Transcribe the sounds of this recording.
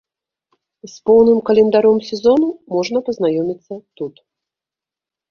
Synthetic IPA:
spɔwnɨmkɐlʲɛnd̪aɾɔmsʲɛzɔnumɔʐnɐpɐznajɔmʲit̪sːɐt̪ut̪

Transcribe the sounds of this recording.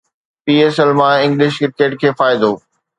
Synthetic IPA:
piːeːsɛlmãɪ̃ŋɡlɪʃkɪɾkeːʈkʰeːfaːɪd̪oː

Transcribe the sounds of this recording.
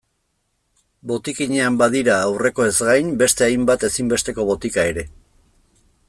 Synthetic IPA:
bo̞t̪ikiɲe̞ambaðiɾaːwre̞ko̞e̞zɡajnbe̞st̪e̞ajmbat̪e̞simbe̞st̪e̞ko̞βo̞t̪ikae̞ɾe̞

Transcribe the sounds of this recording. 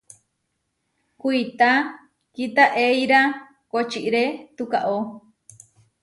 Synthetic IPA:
kuit̪a | kit̪aʔejɾa | kot͡ʃiʔɾet̪ukaʔo

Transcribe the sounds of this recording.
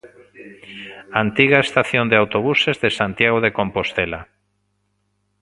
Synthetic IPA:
ant̪iɣaest̪aθjond̪eawt̪oβ̞usezðesant̪jaɣ̞oðekompost̪ela

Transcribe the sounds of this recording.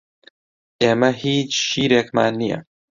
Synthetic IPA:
ʔeːmɐhiːt͡ʃʃiːɾeːkma̰ːnːijɛ̰

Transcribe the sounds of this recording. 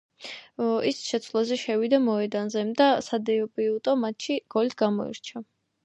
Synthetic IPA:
isʃɛt̪sʰlˠazɛʃɛwid̪amɔɛd̪anzɛmd̪asad̪ɛɔpʼiut̪ʼɔmat̪ʰʃiɡ̥ɔlit̪ʰɡ̥amɔ̰ḭɾt͡ʃʰa

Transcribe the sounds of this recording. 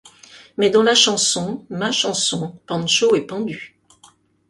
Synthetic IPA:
mɛd̪ɑ̃laʃɑ̃sɔ̃maʃɑ̃sɔ̃pɑ̃nʃoɛpɑ̃d̪y

